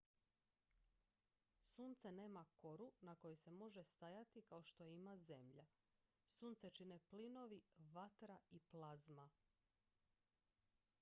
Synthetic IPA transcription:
suːnt̪sene̞ːmako̞ɾunako̞jese̞mo̞ʒest̪ajat̪ikao̞ʃt̪ojeimaze̞mʎa | suːnt̪set͡ʃineplino̞ʋiʋat̪ɾaiplˠazma

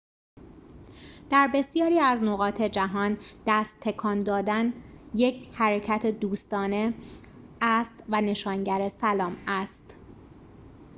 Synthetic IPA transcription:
d̪̥æɾbe̞sjɒːɾiːæznoɣɒːt̪ʰe̞d͡ʒæɦɒːnd̪̥æst̪ʰːe̞kʰɒːnd̪ɒːd̪ænje̞cʰhæɾecʰæt̪ʰed̪uːst̪ɒːne̞ | æst̪væne̞ʃɒːŋɟæɾe̞sælɒːmæst̪

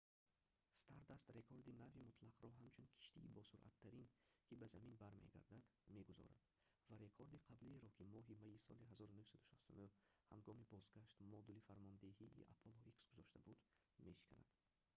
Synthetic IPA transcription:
st̪ʰaɾd̪ast̪ɾe̞kʰoɾd̪inavimut̪ʰlaqɾɔɦamt͡ʃʰunkʰi̥ʃt̪iːbɔsuɾʔa̰t̪ʰːaɾinkʰibazaminbaɾmḛɡa̰ɾd̪ad̪me̞ɡuzɔ̰ɾa̰d̪ | vaɾe̞kʰoɾd̪iqʰabliɾɔkʰimɔɦimaisɔ̰liɦazɔɾunuhsad̪uʃast̪unuhha̰ŋɡɔmibɔzɡaʃt̪mɔd̪ulifaɾmɔnd̪ehiʔːa̰pʰoloʔiksɡuzɔʃt̪abud̪ | me̞ʃi̥kʰa̰na̰d̪̥

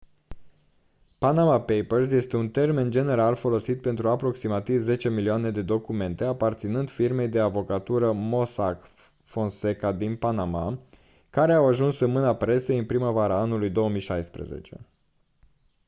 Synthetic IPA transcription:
panamapejpərsje̞st̪e̞unt̪e̞rme̞nd͡ʒe̞ne̞ɾalfo̞lo̞sit̪̚pe̞nt̪ɾuapɾo̞ksimat̪ivze̞t͡ʃe̞milioane̞d̪e̞d̪o̞kume̞nt̪e̞apart̪sinɨnd̪̥firme̞jd̪e̞avo̞kat̪uɾəmo̞sak | fo̞nse̞kad̪inpanama̰ | kaɾe̞awaʒunsɨnmɨnapɾe̞sejɨnpɾiməvaɾaanulujd̪o̞womijʃajspɾḛzḛt͡ʃe̞̰

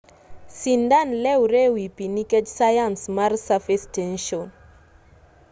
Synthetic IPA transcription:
sindanlɛwɾewipiniked͡ʒsajansmaɾsafistɛnʃɔn

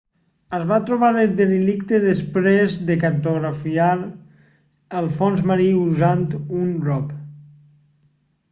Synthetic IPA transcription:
əzβat̪ɾuβ̞aɾəd̪elilikt̪əðəspɾezðəkəɾt̪uɣɾafiaɾ | əlˠfɔnzməɾiuzant̪unrɔp

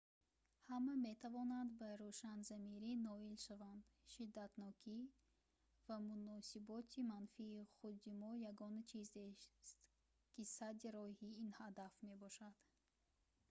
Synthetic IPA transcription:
hamame̞t̪ʰavɔnand̪baɾuʃanzamiɾinɔilʃavand̪ | ʃid̪ːat̪nɔkʰi | vamunɔsibɔt̪ʰimanfiːχud̪imɔjaɡɔnt͡ʃʰizest̪ | kʰisad̪iɾɔhiinhad̪afme̞bɔʃad̪̥

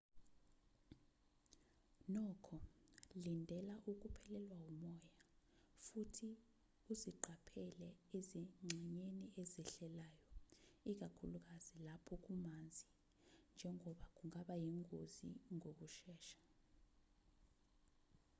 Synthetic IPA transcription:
nɔkʰɔlindʱɛlaʔuk̬upʰɛlɛlwaumɔja | futʰi | uziǃʱapʰɛlɛeziŋ͡ǁɛɲeniʔeziɬɛlaːjɔik̬ʼakʰuluk̬ʼaz̥ilapʰɔk̬umand͡zʱi | nd͡ʒʱɛŋʱɔɓak̬ʼuŋaɓajiŋɡʱozḭŋʱok̬uʃɛːʃḁ

